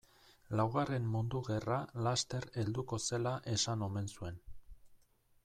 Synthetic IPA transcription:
lawɣare̞mːund̪uɣe̞ralast̪e̞ɾe̞ld̪uko̞se̞laʔe̞sano̞me̞nsue̞n

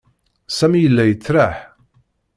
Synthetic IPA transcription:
sæmijəlːæjət͡sːɾaħ

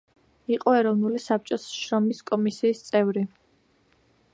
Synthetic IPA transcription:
iqʼɔɛɾɔvnulisap̚t͡ʃʼɔsʃɾɔmiskʼɔmisiːst̪sʼɛvɾi

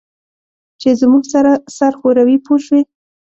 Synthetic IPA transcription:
t͡ʃezmuɡsaɾasaɾxoɾawipʰoʃwi

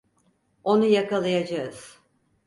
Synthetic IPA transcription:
o̞nujakalˠajad͡ʒaɯz̥

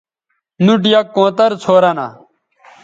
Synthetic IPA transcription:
nuʈjakːõːt̪əɾt͡sʰoːɾaːna̰ː

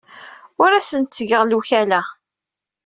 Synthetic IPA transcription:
ʊɾæsənt̪səʝəʁluçælæ

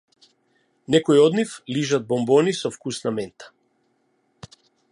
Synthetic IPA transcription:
nɛkɔiɔd̪nifliʒad̪̚bɔmbɔnisɔfkusnamɛnt̪ḁ

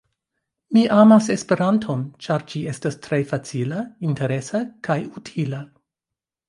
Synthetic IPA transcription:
miʔamase̞spe̞ɾantʰo̞nt͡ʃaɾd͡ʒie̞stastɾe̞fat͡silainte̞ɾe̞sakajutʰila

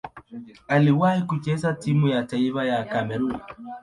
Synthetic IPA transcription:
aliwahikut͡ʃɛzatimujataifajakamɛɾun

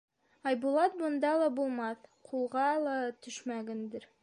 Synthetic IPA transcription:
ɑjbulˠɑt̪̚bŏnd̪ɑlˠɑbulˠmɑθqʰulˠʁɑlˠɑt̪ɵ̆ʃmæɡɘnd̪ɘɾ

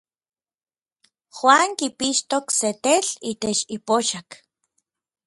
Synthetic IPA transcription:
xwaːŋkipiʃt̪okset̪eɬiːt̪et͡ʃipoʃak

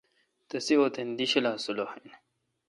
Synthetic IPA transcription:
t̪ɐsiot̪end̪iɕɐlaːsulohen

